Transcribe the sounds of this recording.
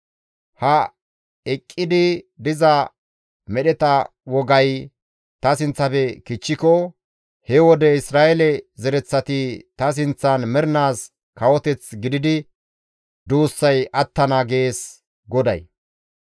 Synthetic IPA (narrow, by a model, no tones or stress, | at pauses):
hɐ | ɛkʼːɪd̪ɪd̪ɪzɐ | mɛɗɛt̪ɐ | wɔɡɐj | t̪ɐsɪnt͡sːɐfɛkɪt͡ʃːɪkɔ | hɛwɔd̪ɛɪsɾaːʔɛlɛzɛɾɛt͡sːɐt̪ɪt̪ɐs̬ɪnt͡sːɐnmɛɾɪnaːs | kɐwɔt̪ɛt͡sɡɪd̪ɪd̪ɪ | d̪uːsːɐjʔɐt̪ːɐnaɡe̞ːs | ɡɔd̪ɐ̰j